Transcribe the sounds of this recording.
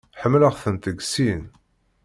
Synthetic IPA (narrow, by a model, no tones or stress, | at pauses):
ħəmːləʁθənt̪əɡsin